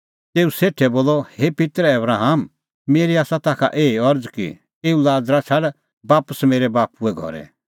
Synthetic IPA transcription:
t̪eːuseːʈʰɛboːlɔhepɪt̪ɾɛbɾaːɦam | meːɾiaːsat̪aːkʰa̰ʔeːiɔɾd͡zkḭ | eːulaːd͡zɾat͡ʃʰɐɽ | baːpəsmeːɾɛbaːpuɛɡʱɔ̰ɾɛ̰

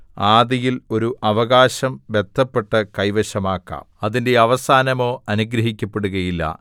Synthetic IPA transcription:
aːd̪ijilo̞ɾuʔɐʋɐɣaːɕɐmʋe̞t̪ʰːɐpːe̞ʈːɐkɐjʋɐɕɐmaːkːa̰ːmɐðinde̞ɐʋɐsaːnɐmo̞ːɐnuɡɾɐɦikʲːɐpːe̞ɽuɣɐjilːɐ̰

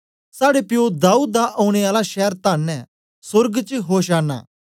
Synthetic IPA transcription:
saːɽepɪjoːd̪aːuːd̪ːaʔõːʊɽ̃eaːlaʃɛːəɾt̪aːnːɛ̃ | sʊɾɡt͡ʃəɦoːʃaːna̰ː

